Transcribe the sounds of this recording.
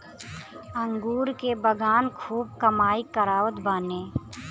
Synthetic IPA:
əŋɡuːɾkebəɡaːnkʰuːb̚kəmaːikəɾaːʋət̪baːnẽː

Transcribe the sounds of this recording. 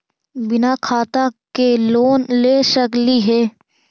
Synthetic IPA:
bɪnakʰaːt̪akeloːnleːʃəkliɦɛː

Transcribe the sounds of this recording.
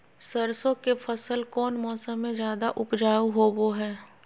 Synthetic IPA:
səɾsõkefʰɐsəlkɔːnmɔːsəmːẽd͡ʒjaːd̪aʔʊpd͡ʒaːuɦoboɦɛː

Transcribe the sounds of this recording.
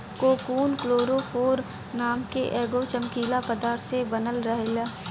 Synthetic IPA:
koːkuːnkloːɾofʰoːɾ | naːmkeʔeːɡot͡ʃəmkiːlapəd̪aːɾt̪sebənəlɾɐɦelaː

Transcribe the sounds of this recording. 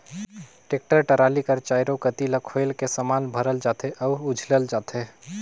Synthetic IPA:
ʈek̚ʈəɾʈəɾalikəɾt͡ʃajɾokət̪iləkʰojlkesəmanbʱəɾəld͡ʒat̪ʰeʔɔuud͡ʒʱləld͡ʒat̪ʰe

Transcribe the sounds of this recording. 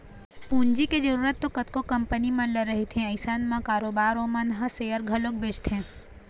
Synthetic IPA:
pũɲd͡ʒiked͡ʒəɾuɾət̪ːokət̪kokəmpənimənləɾəɦit̪ʰẽəsanmãkaɾobaɾõmə̃nɦəsejəɾɡʱəlok̚bed͡ʒt̪ʰẽ

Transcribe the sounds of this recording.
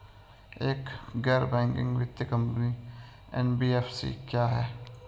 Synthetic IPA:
eːkɡɛːɾbɛ̃ːŋkɪ̰̃ŋɡʋɪt̪jəkɐ̃mpni | ɛ̰nbiːɛːfsḭkjaːɦɛː

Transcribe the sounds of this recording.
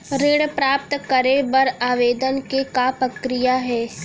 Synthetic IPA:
ɾeːɽpɾaːp̚t̪kəɾebɐɾaːʋeːd̪ənkekapɾɐkɾijaɦɛː

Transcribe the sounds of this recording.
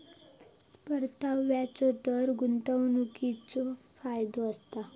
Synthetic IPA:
pəɾt̪aʋʋjat͡sɔt̪əɾɡunt̪əwnukit͡sɔfajd̪oəst̪a

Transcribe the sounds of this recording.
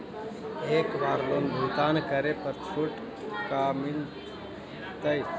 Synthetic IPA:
ekbaɾlonbʱult̪ankəɾepəɾt͡ʃʰoʈ | kamil | t̪əj

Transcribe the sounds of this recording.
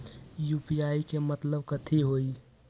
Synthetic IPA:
juːpiaːikemət̪ləb̚kət̪ʰiɦoːi

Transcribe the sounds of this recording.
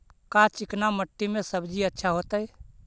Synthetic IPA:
kat͡ʃiknaməʈːimesəbd͡ʒiətːʃʰaɦot̪əj

